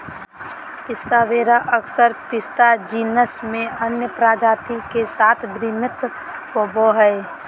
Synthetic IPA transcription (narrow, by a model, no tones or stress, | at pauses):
pɪst̪aːʋeːɾaʔəksəɾpɪst̪ad͡ʒiːnəsmẽənjəpɾaːd͡ʒaːt̪ikesaːt̪ʰbɾimɪt̪ | poboɦɛe